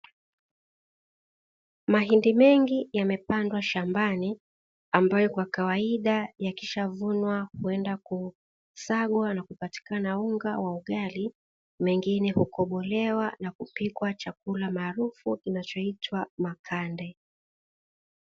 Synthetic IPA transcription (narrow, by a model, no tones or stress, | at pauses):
maɦindimɛŋɡijamɛpandwaʃambani | ambajɔkwakawaiɗajakiʃavunwahuɛndaku | saɠwanakupati̥kanauŋɡawauɠali | mɛŋɡinɛhukʰɔɓɔlɛwanakupikwat͡ʃak̚ulamaːɾufukinat͡ʃɔitʰwamakʰandɛ